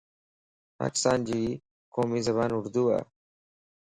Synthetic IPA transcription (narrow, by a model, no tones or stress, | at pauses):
pa̰ːkɪ̥st̪aːnd͡ʑi | koːmiːzɐβaːnʊɾd̪uːa̰ː